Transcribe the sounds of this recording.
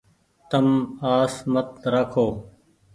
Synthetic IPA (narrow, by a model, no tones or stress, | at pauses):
t̪əmaːsmət̪ɾakʰoː